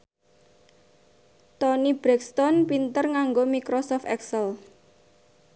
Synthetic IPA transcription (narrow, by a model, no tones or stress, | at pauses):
t̪ɔnib̥ɾɛkst̪ɔnpint̪ərŋaŋɡomikɾosɔft̪ɛksəl